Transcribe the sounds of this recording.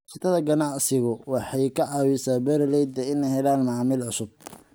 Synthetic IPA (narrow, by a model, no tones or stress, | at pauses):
t͡ʃɪt̪ʰɐðɐɡɐnɑʕsɪɣʊwɑħɑjkʰɐʕɑːwɪsaːbɛɾɪlɛjd̪ɐɪnɛjɦɛlaːnmɑʕmɪlʕʊsʊb̚